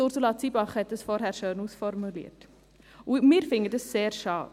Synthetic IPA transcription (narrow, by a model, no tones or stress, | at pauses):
torsulɑt͡sibɑχhɛt̚əsfɔrɦærʃəːnusfɔrmylḭərt | umiːrfɪŋɡədəsseːrʃɑː